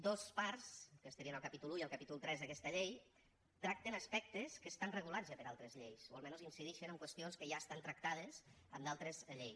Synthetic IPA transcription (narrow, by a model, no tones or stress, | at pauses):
d̪ospaɾskəst̪əɾiənəlˠkəpit̪uluiəlˠkapit̪ulˠt̪ɾɛzðəkɛst̪əʎej | t̪ɾak̚t̪ənəspɛk̚t̪əskəst̪anrəɣulazəpəɾalˠt̪ɾəzʎejsoəlˠmɛnozinsiðiʃənəŋkwəst̪ionskəʒaəst̪ant̪ɾək̚t̪að̞əz | əmd̪alˠt̪ɾəzʎej